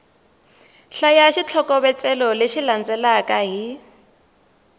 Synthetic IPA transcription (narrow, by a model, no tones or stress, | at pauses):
ɬajaʃit͡ɬʰɔkʼɔβɛt͡sʼɛlɔleʃiland͡zɛlakʼaɦi